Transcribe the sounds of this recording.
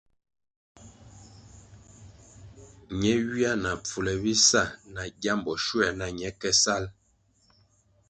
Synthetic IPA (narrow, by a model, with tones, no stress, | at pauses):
ɲɛ˨˦ɥi˦a˦na˨p͡fu˨lɛ˨bi˦sa˦˨na˨ɡja˦mbɔ˨ʃu˦ɛ˨na˨ɲɛ˦kɛ˦sa˦l